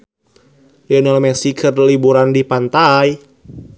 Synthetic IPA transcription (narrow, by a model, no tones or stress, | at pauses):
liɔnalmɛsikʰɨrlibuɾandipant̪aj